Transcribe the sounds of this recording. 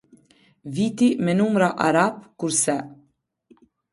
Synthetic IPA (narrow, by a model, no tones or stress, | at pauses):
viːt̪imɛnumɾaʔa̰ɾapkuɾsɛ